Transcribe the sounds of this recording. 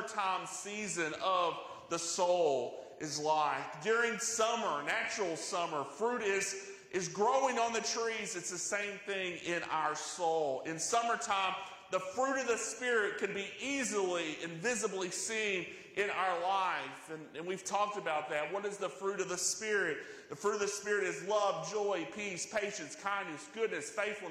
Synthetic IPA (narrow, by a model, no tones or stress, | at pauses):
tʰãɪ̃msizɨ̃nʌv | ðəsoʊlˠʔɨzlaɪfdʊɹɪ̃ŋsʌmə˞næt͡ʃɹl̩ˠsʌmə˞fɹʉɾɪz | ʔɨzɡɹoʊɪ̃ŋə̃nðɨtʰɹ̥izɨtsðɨsẽɪ̃mθɪ̃ŋɪ̃na̰ʊə˞soʊlˠɨ̃nsʌmə˞tʰãɪ̃m | ðəfɹʉɾʌvðɨspɪɹɪt̚kʰɨ̃nbiʔizl̩ˠiɨ̃ɱvɪzəblisĩn | ʔɪ̃naʊə˞laɪfɨ̃nɨ̃nwiv̥tʰɔk̚tɨbaʊt̪̚ðɨt̚wʌɾɨzðəfɹʉɾʌvðɨspɪɹɪt̪̚ðɨfɹʉɾʌvðɨspɪɹɨɾɨzlʌvd͡ʒɔɪpʰispʰeɪʃɨ̃nskʰãɪ̃nnɨsɡ̥ʊdⁿnɨsfeɪθfl̩ˠ